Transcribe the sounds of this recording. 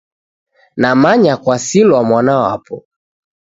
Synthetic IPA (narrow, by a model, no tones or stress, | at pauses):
namaɲakwasilwamwanawa̰pɔ